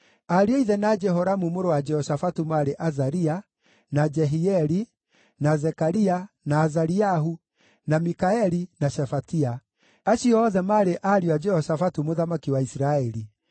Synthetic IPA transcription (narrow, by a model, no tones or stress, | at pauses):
aɾeɔiðɛnad͡ʒɛɦɔɾamumoɾowad͡ʒɛhɔsafatumaɾeʔazaɾia | nad͡ʒɛɦiɛɾi | nazɛkaɾia | naːzaɾiaɦu | namikaɛɾinaʃɛfatia | aʃiɔðɛmaːɾeʔaɾiwad͡ʒɛhɔsafatumoðamakiwaisɾaɛɾi